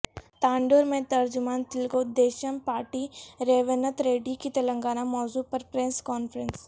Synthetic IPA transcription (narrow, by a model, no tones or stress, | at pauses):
t̪aːɳɖoːɾmẽt̪ɐɾd͡ʒʊmaːnt̪ɪlɡod̪eːʃɐmpaːɾʈiɾeːʋənət̪ɾeːɖikit̪ɐlə̃ŋɡaːnamɔːzupɐɾpɾeskɔːnfɾəns